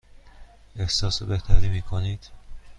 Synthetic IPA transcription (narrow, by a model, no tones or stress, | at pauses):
e̞hsɒːsobeht̪ʰæɾiːmiːkʰoniːd̪̥